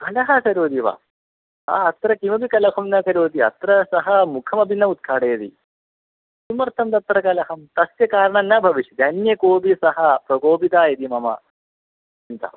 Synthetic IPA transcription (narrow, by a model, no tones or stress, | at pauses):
bʱɐlɐɦɐkɐɾoːd̪iʋa̰ː | a̰ɐt̪ɾɐkimɐbikɐlɐkʰɐmnɐkɐɾoːd̪iɐ̰t̪ɾɐsɐɦɐmukʰɐmɐbʱinːɐut̪̚kʰaːɽeːd̪ḭ | sumɐɾt̪ʰɐmd̪ɐt̪ɾɐkɐlɐɦɐmt̪ɐsʋjɐkaːɾɐɳɐnːɐbʱɐʋiʂid̪ɐnjɐkoːbisɐɦɐpɾɐɡoːpit̪aːid̪imɐmɐ̰ | int̪ɐ̰